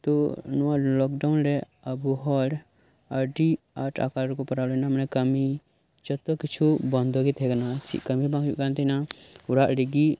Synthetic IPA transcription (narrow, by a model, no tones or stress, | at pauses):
t̪ɔnɔwaʔlɔk̚ɖawnɾɛ | əbuɦɔɾ | əɖi | aɾʈʰa̰kalɾɛkɔpaɾawlɔnamanɛkəmi | t͡ʃɔt̪ɔkit͡ʃʰubɔnd̪ʱɔɡit̪ʰɛkanat͡ʃḭʔkəmibãŋuʔkant̪ʰɛɦnauɾaʔɾiɡi